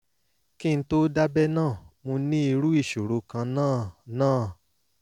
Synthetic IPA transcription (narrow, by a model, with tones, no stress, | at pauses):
ki˦˧n̩˦to˦da˦bɛ˦nãː˦˨mõ˧nĩ˦i˧ɾu˦i˦˨ʃo˨ɾo˨˧kã˧nãː˦˨nãː˦˨